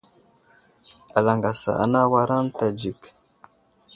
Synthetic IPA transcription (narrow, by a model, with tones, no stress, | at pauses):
a˨la˨ŋɡa˨sa̰˨ʔa̰˨na˦wa˦ɾa˦n˦ta˨d͡ʒi˨k